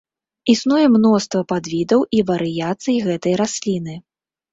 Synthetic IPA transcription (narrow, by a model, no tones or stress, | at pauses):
isnujɛmnɔst̪vɐpad̪vʲid̪ɐwʔivɐɾɨjat̪sɨjiɣɛt̪ɐjɾasʲlʲinɨ